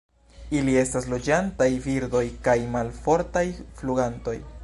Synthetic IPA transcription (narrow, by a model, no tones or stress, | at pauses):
ilie̞staslo̞d͡ʒantajviɾdo̞jkajmalfo̞ɾtajfluɡanto̞̰j